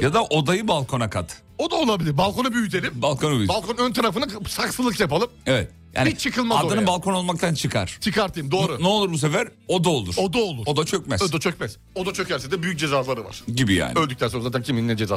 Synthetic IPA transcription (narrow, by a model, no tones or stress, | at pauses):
jad̪aʔo̞d̪ajɯbalˠkʰo̞nakʰat̪ | od̪aolˠabilʲiɾbalˠkʰo̞nabyjyt̪̬ʰe̞lʲimbalˠkʰo̞nabyjbalˠkʰonønt̪ʰaɾafɯnasaksɯɯkjapalˠɯmevɛt̪ | ja̰ːnit͡ʃʰɯkɯlˠmadad̪oaɯmbalˠkʰo̞no̞lˠmak̚t̪ʰant͡ʃʰɯkʰaɾ̥t͡ʃʰɯkaɾt̪ɯjmd̪oːɾunɛo̞lˠuɾbus̬e̞fæɾo̞d̪aolˠuɾ̥od̪aolˠuɾo̞d̪at͡ʃʰøcmɛsd̪at͡ʃʰøcmɛz | o̞d̪at͡ʃʰøcʰæɾsɛd̪ɛbyjyc̚d͡ʒe̞zazlˠaɾɯva̰ɾ̥ɟibija̰ːnø̞lʲd̪yct̪ʰænsonɾazaːt̪ʰæncʰimininɛd͡ʒeza